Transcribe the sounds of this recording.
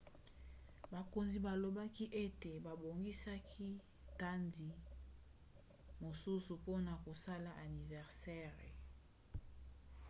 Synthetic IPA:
ba˨ko˨nzi˨ba˨lo˨ba˦ki˦ʔe˦te˨ba˨bo˨ŋɡi˦sa˦kʰi˦ | ta˦ndi˨ | mo˨su˦su˨po˦na˨ko˨sa˦la˨ʔa˨ni˨vɛ˨ʁsɛ˦ʁe˨

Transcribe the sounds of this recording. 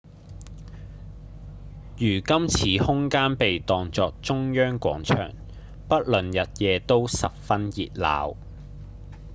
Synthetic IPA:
jyː˨˩kɐ˥mt͡sʰiː˨˥hʊ˥ŋkaː˥npe˨jt̪ɔː˨ŋt͡sɔː˨k̚t͡sʊ˥ŋjœː˥ŋkʷwɔ̰ː˨˥ŋt͡ʃʰœ̰ː˨˩ŋ | pɐ˥t̚lɵ˨njɐ˨t̚jɛː˨˧t̪o˥wsɐ˨p̚fɐ˥njḭː˨t̚la̰ː˨˥w

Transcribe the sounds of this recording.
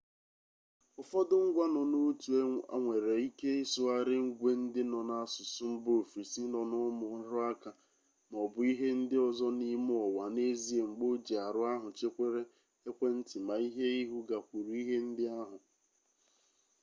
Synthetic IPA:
ʊ˨fɔ˦dʊ˦ŋ̩˦ɡʷa˦nɔ˨no˦tu˨˦a̰˦ŋʷe˨ɾe˨i˦ke˦e˦sʊ˦a˦ɾɪ˦ŋ̩˦ɡʷe˦n̩˦dɪ˦nɔ˨na˨˦˨sʊ˨sʊ˦m̩˦bo˦˨fɾi˨si˦nɔ˨nʊ˦mʊ˨˦ɾʊ˦a˦ka˨ | m˨ɔ˨bʊ˨i˦ɦe˦n̩˦dɪ˦ɔ˦zɔ˦ni˦m˦ɔ˨wa˨ne˦zi˦e˨ŋ͡m̩˨ɡ͡bo˦d͡ʒe˨a˨ɾʊ˦a˦ɦʊ˨t͡ʃe˦kʷe˦ɾe˦ | e˦kʷe˦n̩˦tɪ˨ma˨i˦ɦe˦i˦ɦu˦ɡa˨kʷu˨ɾu˨˦i˦ɦe˦n̩˦dɪ˦a˦ɦʊ˨

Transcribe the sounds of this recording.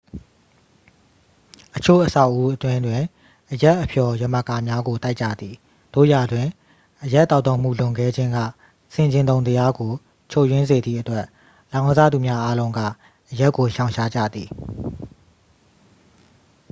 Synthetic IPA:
ʔət͡ɕʰo̰˦˨ʔəsa˦ʊʔu˦ʔətwɪ̃˦ndwɪ̃˨ | ʔəja˦ʔəpʰjɔ˨jə˨mə˨ka˨mja˦ɡo˨ta˦ɪʔt͡ɕä̰˦˨d̪ði˨ | d̥o̰˦˨ja˨dwɪ̃˨ | ʔəja˦ʔtːa˦ʊt̪õ˨m̥ṵ˦˨lʊ̃˨ŋɡɛ˦˨d͡ʑɪ̃˦ŋɡä̰˦˨ | sɪ̃˨ɲd͡ʑɪ̃˨nt̪õ˨ʊ̃nt̪̬əja˦ɡo˨ | t͡ɕʰo˦˨jwɪ̃˦nze˨d̪ðḭ˦˨ʔətwɛ˦ʔ | lã˨˦ʊ̃za̰˦˨d̪u˨mja˦ʔa˦lõ˦ʊ̃ŋɡä̰˦˨ | ʔəja˦ʔkːo˨ʃã˨ʊ̃ʃʰa˦˨d͡ʑä̰˦˨d̪ði˨

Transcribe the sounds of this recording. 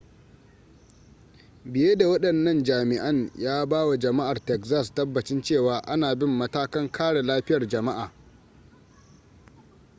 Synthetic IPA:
bɪ˨jeː˦da˨wɐ˦ɗɐ˨nːɐ˦nd͡ʒaː˨mɪ˨ʔɐ˦ɲjaː˦baː˦wa˨d͡ʒɐ˨ma˦ʔa˨rtɛ˨kzaː˦stɐ˦bːɐ˨t͡ʃɪ˦nt͡ʃeː˦˨waː˨ʔa˦naː˨bɪ˦mːɐ˦taː˦kɐ˦ŋkʰaː˦ɽe˨laː˦ɸɪ˦jɐ˨rd͡ʒɐ˨ma˦ʔaː˨

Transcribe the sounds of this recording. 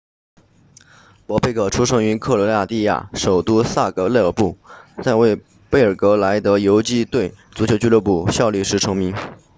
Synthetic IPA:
pwɔ˧˥pe˥˧ɪkʰɤ˧˨˩ʈ͡ʂʰu˥ʂʰɤ˧˥ŋy˧˥nkʰɤ˥˩lɔ˧˥ja˥˧t̪i˥˧ja̰˥˩ʂo˨˩ʊt̪u˥sa˥˩kɤ˧˥le˥˩ə˞˨˩pu˥˩t͡sa˥˧ɪwe˥˩ɪ | pe˥˩ɪə˞˨˩kɤ˧˥la˧˥ɪt̪ɤ˧˥jo˧˥ʊt͡ɕi˥t̪we˥˩ɪt͡su˧˥t͡ɕʰjo˨˩ʊt͡ɕy˥lə˧˥˩p̬u˨˩ɕjɑ˥˧ʊli˥˩ʂɻ̩˧˥ʈ͡ʂʰɤ˧˥ŋmi˧˥ŋ

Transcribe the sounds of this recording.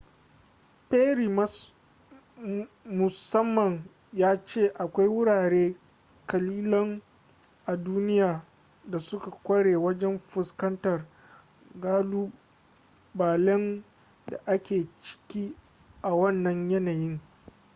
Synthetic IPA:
peː˦ɾiː˨m˦s | mʊ˨sɐ˦mːɐ˨ŋ | jaː˦t͡ʃeː˦˨ʔa˨kʷa˦jwʊ˦ɽaː˨ɽeː˦ | kɐ˨liː˦lɔ˦ŋ | ʔa˨duː˦nɪ˦jaː˨ | da˨sʊ˦ka˨kʷɐ˦ɽeː˨wɐ˦d͡ʒɛ˦mɸʊ˨skɐ˦ntɐ˨r | ɡaː˦luː˦ | baː˨lɛ˦n | da̰˨ʔa˦kʲeː˨t͡ʃɪ̥˦kʲiː˦ | ʔa˨wɐ˦˨nːɐ˨ɲjɐ˦naː˨jɪ˦ŋ

